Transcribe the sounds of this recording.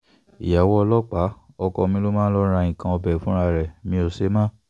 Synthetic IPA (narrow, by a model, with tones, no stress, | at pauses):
i˨ja˨wɔ˧lɔ˦k͡pa˨˦ | ɔ˧kɔ˧mĩ˧˦lo˦mãː˦lɔ˦ɾ̃a˧ĩ˨kã˧ɔ˧bɛ˨fũ˨˦ɾ̃a˧˨ɾɛ˨mĩ˧˦o˧se˦mã˦